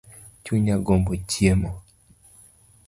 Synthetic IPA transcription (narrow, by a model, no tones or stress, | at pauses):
t͡ʃuɲaɡombot͡ʃjemɔ